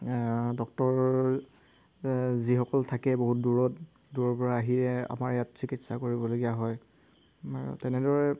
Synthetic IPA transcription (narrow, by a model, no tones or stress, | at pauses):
dɔk̚tɔɹ | zixɔkɔltʰakɛboɦut̚duɹɔt | duɹɔɹpɔɹaːɦiɹɛa̰maɹɛjatsikitsakoɹibɔloɡijaɦɔj | aɹṵtɛnɛdɔɹɛ